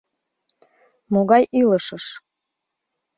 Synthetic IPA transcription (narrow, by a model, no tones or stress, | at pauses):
moɣɑjiləʃəʃ